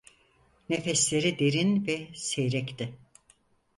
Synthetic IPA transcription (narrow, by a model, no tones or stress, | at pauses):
nefɛslʲe̞ɾid̪e̞ɾinvɛsejɾɛct̪ɪ